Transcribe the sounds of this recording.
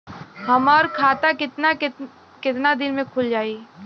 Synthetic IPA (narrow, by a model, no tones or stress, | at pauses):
hɐmɔːɾkʰaːt̪aɪt̪na | kɪt̪nad̪ɪnmẽkʰʊld͡ʒaːiː